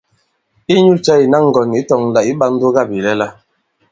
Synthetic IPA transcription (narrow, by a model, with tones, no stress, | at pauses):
i˦ɲu˦t͡ʃɛ˦i˨na˦ŋ̩˨ɡɔ˨ni˨˦tɔ˨ŋ˨la˨i˦ba˦n̩˦do˦ɡa˦˨bi˨lɛ˦la˦